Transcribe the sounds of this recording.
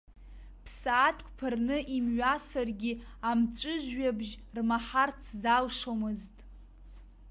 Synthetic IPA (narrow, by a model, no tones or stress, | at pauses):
pʰsaːtʰʼkʷʰʼpʰɨrnɨʔimɥasarɡʲiamt͡ʃʷʼɨʒʷɥabʒrmaħart͡sʰzalʂomɨztʼ